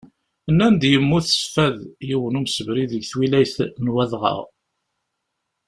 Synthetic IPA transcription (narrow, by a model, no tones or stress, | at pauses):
ənːænd̪jəmːuθə̥sfæðjiwənumsəvɾiðəʝθwilæjθnwæðʁə̰ʁ